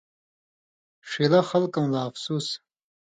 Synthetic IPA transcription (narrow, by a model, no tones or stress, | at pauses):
ʂilaxɐlkɐmlaːfsus